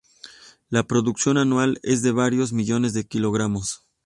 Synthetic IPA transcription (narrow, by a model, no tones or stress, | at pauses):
lapɾo̞ðuksjo̞nanwale̞zðe̞βaɾjo̞zmiʝo̞ne̞zðe̞kilo̞ɣɾamo̞s